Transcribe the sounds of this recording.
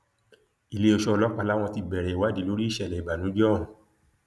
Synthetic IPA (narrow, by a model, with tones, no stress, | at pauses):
i˨le˦o˧ʃɔ˧ɔ˧lɔ˦k͡pa˧la˦w̃ɔ̃˧ti˧bɛ˨ɾɛ˨˦wa˦˨dĩ˨˦lo˦ɾi˦i˦˨ʃɛ˧˨lɛ˨i˨ba˨nũ˨˦d͡ʒɔ̃˦˨